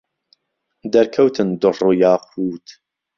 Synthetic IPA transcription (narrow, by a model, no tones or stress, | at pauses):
d̪ɐɾkʰɐwt̪ʰɨnd̪ʊrujɑːq̚ʰuːt̪